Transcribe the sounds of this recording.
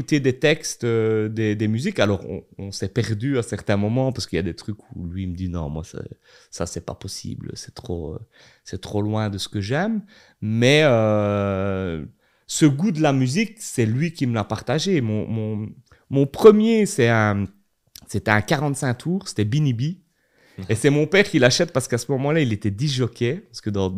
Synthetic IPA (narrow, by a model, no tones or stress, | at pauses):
ut̪ed̪et̪ɛkst̪ød̪ed̪emyzikalɔːʁɔ̰̃ɔ̃sɛpɛʁd̪yasɛʁt̪ɛ̃mɔmɑ̃paʁsə̥kəiljad̪et̪χykulɥiməd̪inɔ̰̃mwa̰sa̰ | sasɛpa̰pɔsḭːblə̰sɛ̥t̪χo̰ | sɛt̪χolwɛ̃d̪əsə̥kəʒɛmː | ɛø | səɡud̪əlamyziksɛlɥikʲiməlapaʁt̪aʒemɔ̰̃mɔ̃ | mɔ̃pχəmjesɛɛ̃ | set̪ɛɛ̃kaʁɑ̃t̪sɛ̃t̪ʰuːʁse̥t̪ɛbinibi | esɛmɔ̃pɛːʁkʲilaʃɛt̪̚paʁsə̥kasəmɔmɑ̃lailet̪ɛd̪iʒɔkʲepaʁsə̥kəd̪ɑ̃